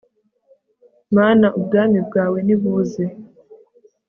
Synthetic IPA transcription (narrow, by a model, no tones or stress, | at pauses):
maːnaʔubɡaːmibɡaːwe̞niβuːze